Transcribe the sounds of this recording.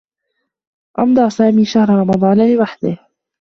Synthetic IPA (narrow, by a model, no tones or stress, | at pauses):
ʔɑbd̪ˤɑːsaːmiːʃahɾˤɾˤɑmɑd̪ˤɑːnlɪwaħd̪ɪh